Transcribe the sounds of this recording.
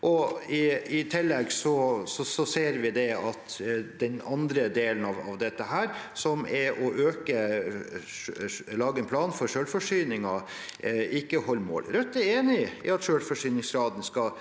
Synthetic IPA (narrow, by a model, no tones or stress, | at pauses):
ʔɔɪɪt̪ʰɪlːɛɡsɔsɔsɔseːɾʋɪd̪ɛɑt̪d̪ɛnɑnd̪ɾəd̪eːlənɑʋɑʋd̪ɛt̪ːəɦæːɾsɔmɛɾʔɔʔøːkə | lɑːɡəɛnpʰlɑːnfɔɾʂøːlfɔʂyːnɪŋɑ | ɪkːəhɔlːmo̰ːlɾœt̪ːæɾeːnɪɪ̰ɑt̪ʃøːlfɔʂyːnɪŋsɡɾɑːd̪ən̩skɑ